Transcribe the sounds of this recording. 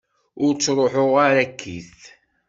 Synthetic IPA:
ʊɾt͡sːɾˤoħoʁaɾækʰːḭθ

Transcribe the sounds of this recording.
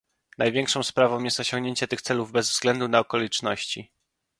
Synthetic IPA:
najvʲjeŋkʂɔ̃w̃spɾavɔ̃w̃jɛst̪ɔɕɔŋɡɲeɲt͡ɕɛt̪ɘxt̪sɛluvbɛzvzɡlɛnd̪unaɔkɔlʲit͡ʂnɔɕt͡ɕi

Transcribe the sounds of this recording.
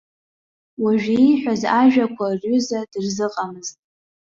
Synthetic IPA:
waʒᶣijħʷᶣazaʒᶣakʷʰarʲʊzadɨrzɨqʼamɨztʼ

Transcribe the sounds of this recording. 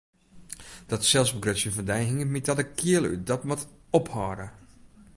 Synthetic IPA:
d̥ɔtsɛlˠsbəɡrøtsjənfɔndɛjɦɪŋəmitadəkʰiəlˠy̰dɔtmɔt | ɔphɔːɾə

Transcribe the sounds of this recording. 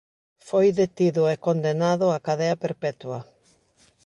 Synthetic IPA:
fojðet̪iðʊɛkond̪enaðʊakaðɛɐpeɾpɛt̪wɐ

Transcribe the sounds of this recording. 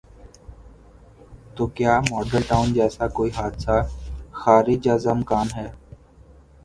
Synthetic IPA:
t̪oːkjaːmɔːɖəlʈaːʊnd͡ʒɛːsakoːiɦaːd̪saxaːɾɪd͡ʒaːzəmkaːnɦɛː

